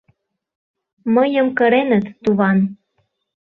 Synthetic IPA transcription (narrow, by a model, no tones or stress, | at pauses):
məjəmkəɾenət̪ːuβɑn